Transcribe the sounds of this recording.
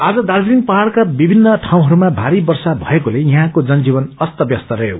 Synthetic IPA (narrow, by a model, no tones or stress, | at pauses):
ad͡zʌd̪aɾd͡zɾinpʌɦaɽkabibʱinːʌʈʰaw̃ɦʌɾumabʱaɾibʌrsabʱʌekolejiɦãkod͡zʌnd͡zibʌnʌst̪ʌbjʌst̪ʌɾʌɦjo̰